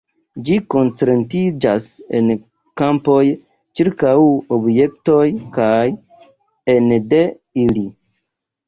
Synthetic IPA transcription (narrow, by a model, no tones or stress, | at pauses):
d͡ʒiko̞nt͡sɾentid͡ʒasḛn | kampo̞j | t͡ʃiɾkawobje̞k̚to̞jkaj | ende̞ | ili